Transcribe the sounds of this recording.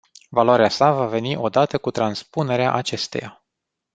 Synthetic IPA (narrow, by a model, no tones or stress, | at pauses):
valaɾeasavave̞niʔo̞d̪at̪əkut̪ɾanspune̞ɾea̰ʔat͡ʃe̞st̪e̞̰ja